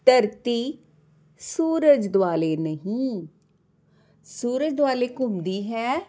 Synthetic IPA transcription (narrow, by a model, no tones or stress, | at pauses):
t̪əɾt̪iː | suːɾəd͡ʒd̪waːleːnəɦĩː | suːɾəd͡ʒd̪ʊaːleːkʊmd̪iːɦɛː